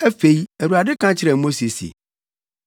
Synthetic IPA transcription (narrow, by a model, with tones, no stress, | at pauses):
æ˦fe˨i˦æ˨ɾu˨ɾa˨dɪ˦kʰã˦t͡ɕʰɪ˨ɾɛ˨˦mõ˦si˨e˨si˨ḛ˨